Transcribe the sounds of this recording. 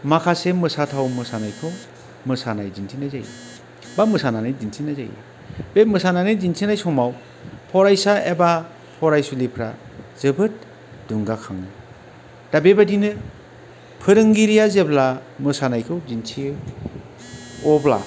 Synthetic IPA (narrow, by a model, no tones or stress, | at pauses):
makʰasemɯsatʰawmɯsanajkʰɯw | mɯsanajzinsʰinajza̰ja̰ | bamɯsananajzinsʰinajza̰j̰a̰ | bemɯsananɯjd͡ʒinsʰinajsɔmaw | pʰɔɾajsaeba | pʰɔɾajsulipʰɾa̰zɯbɯt̚ | d̥uŋɡakʰa̰ŋnɯ | d̥abebadinɯ | pʰɯɾɯŋɡiɾijazeblamɯsanajkʰɯwzinsʰi | ɔbla̰